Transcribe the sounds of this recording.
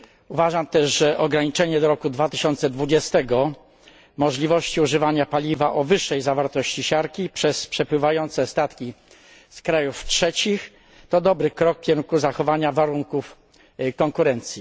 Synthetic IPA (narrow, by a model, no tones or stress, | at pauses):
uvaʐamt̪ɛʂʐɛʔɔɡɾaɲit͡ʂɛɲɛd̪ɔɾɔkud̪vat̪ɘɕɔnt̪sɛd̪vud͡ʑɛst̪ɛɡɔ | mɔʐlʲivɔɕt͡ɕiuʐɘvaɲapalʲivaʔɔvɘʂːɛjzavaɾt̪ɔɕt͡ɕiɕaɾkʲipʂɛspʂɛpwɘvajɔnt̪sɛst̪at̪kʲi | skɾajuftʂɛt͡ɕix | t̪ɔd̪ɔbɾɘkɾɔk̚pʲjɛŋkuzaxɔvaɲavaɾuŋkuf | kɔŋkuɾɛnt̪sʲji